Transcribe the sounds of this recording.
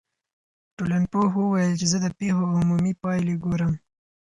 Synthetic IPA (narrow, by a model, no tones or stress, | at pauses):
ʈolaɳpoɦuwajəlt͡ʃezəd̪əpexoːmumipɑjleɡoɾəm